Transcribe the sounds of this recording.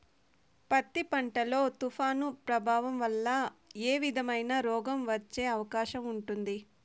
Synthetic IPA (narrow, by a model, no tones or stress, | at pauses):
pɐt̪ːipɐɳʈɐlo̞ːt̪ufʰaːnupɾɐbʱaːʋɐmʋɐlːɐeːʋid̪ʱɐmɐjnɐɾɔːɡɐmʋɐt͡ʃːe̞ːɐʋɐkaːʃɐmuɳʈund̪i